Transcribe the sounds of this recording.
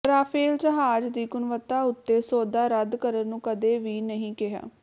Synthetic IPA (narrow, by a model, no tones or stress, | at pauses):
ɾaːpʰeːld͡ʒəɦaːd͡ʒd̪iːɡʊnʋət̪ːaːʊt̪ːeːsoːd̪aːɾəd̪kəɾəɾnũːkəd̪eːʋiːnəɦĩːkɪɦa̰ː